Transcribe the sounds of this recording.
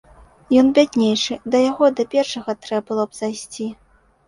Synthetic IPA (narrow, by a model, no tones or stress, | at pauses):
jɔnbʲadʲnʲejʂɨd̪ɐjaɣɔd̪ɐpʲɛrʂɐɣɐt̪ɾɛbɨlˠɔbzajsʲt͡sʲi